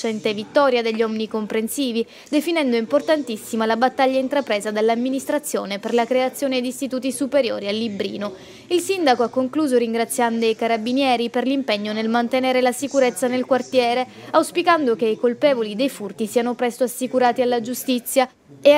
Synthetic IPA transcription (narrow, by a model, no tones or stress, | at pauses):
t͡ʃɛnt̪evit̪ːɔːɾjad̪eʎːiɔminikompɾensiːvi | d̪efinɛnd̪oimport̪ant̪isːimalabat̪ːaʎːaint̪ɾapɾeːzad̪alːamːinist̪ɾat̪sːjo̰ːneperlakɾeat̪sːjoːned̪ist̪it̪uːt̪isupeɾjo̰ːɾialːibɾḭːno | ilsind̪akoakːoŋkluːzoɾiŋɡɾat̪sːjand̪oajkaɾabinjɛːɾiperlimpɛɲːonelmant̪eneːɾelasikuɾet̪sːanelkwart̪jɛːɾeawspikand̪okeikolpɛːvolid̪ejfurt̪isiːanopɾɛst̪oasːikuɾaːt̪ialːad͡ʒust̪it̪sːja | e